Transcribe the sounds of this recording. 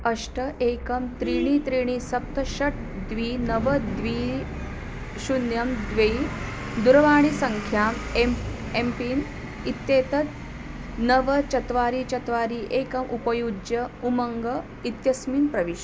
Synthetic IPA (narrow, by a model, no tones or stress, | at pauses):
ɐʂʈʰɐʔeːkɐmt̪ɾiːɳ̃iːt̪ɾiːɽ̃iːsɐp̚t̪ʰɐʃɐʈ̚ʰ | d̪ʋiːnɐʋɐd̪ʋiː | ɕunjɐmd̪ʋej | d̪uɾʋaːɳ̃isɐŋkʰjaːmemempiːn | it̪jeːt̪ɐt̪ | nɐʋɐt͡ʃɐt̪ʋaːɾiːt͡ʃɐt̪ʋaːɾiːʔeːkɐmʔupɐjud͡ʒjɐumɐŋɡɐ | it̪jɐsmiːnpɾɐʋiʃ